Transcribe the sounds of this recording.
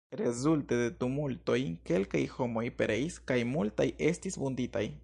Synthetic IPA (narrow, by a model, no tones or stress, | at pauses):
ɾe̞zulte̞de̞tumulto̞jke̞lka̰jho̞mo̞jpeɾe̞iskajmultaje̞stisbundita̰j